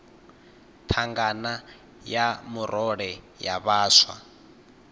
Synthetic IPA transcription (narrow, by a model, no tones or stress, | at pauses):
t̪ʰaŋɡana | jamuɾʔɔɺɛ | jaβaːswa̰